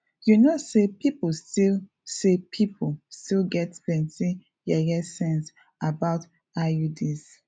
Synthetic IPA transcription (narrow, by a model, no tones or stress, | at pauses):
junosepipustil | sepʰipʰstilɡɛtpɛ̃nsĩ | jɛjɛsɛ̃ns | abaʊt | ajudis